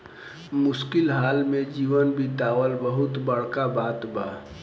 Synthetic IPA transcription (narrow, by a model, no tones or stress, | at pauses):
mʊskɪlɦaːlmẽd͡ʒiːʋənbʱit̪aːwəlbəɦʊt̪bəɽ̤kabaːt̪baː